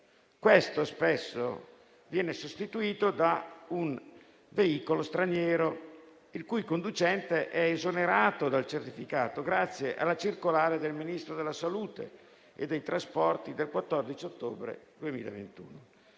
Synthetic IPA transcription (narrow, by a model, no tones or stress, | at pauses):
kwest̪ospesːo̰ | vjɛːnesost̪it̪uiːt̪od̪aun | veiːkolost̪ɾanjɛːɾo | ilkujkond̪ut͡ʃɛnt̪eʔɛːzoneɾaːt̪od̪alt͡ʃert̪ifikaːt̪oɡɾat̪sːjeʔa̰lːat͡ʃirkolaːɾed̪elminist̪ɾod̪elːasaluːt̪ḛ | ḛd̪ːejt̪ɾaspɔrt̪id̪elkwat̪ːɔrd̪it͡ʃiot̪ːoːbɾḛd̪uemḭːla̰vḛnt̪ṵːno